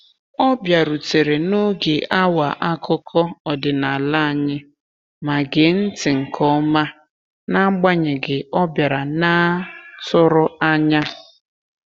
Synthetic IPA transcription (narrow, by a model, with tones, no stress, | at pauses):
ɔ˦bja˨ɾu˨te˨ɾe˨nʊ˦ɡe˨ʔa˦wa˨ʔa˦kʊ˦kʰɔ˦ɔ˨dɪ˨na˨la˦a˨ɲɪ˦ | ma˨ɡe˨n̩˦tɪ˨ŋ̩˨kʰɔ˦ma˦ | na˦ɡ͡ba˦ɲɪ˨ɡɪ˨ɔ˦bja˨ɾa˨na˦tʊ˦ɾʊ˦a˦ɲa˦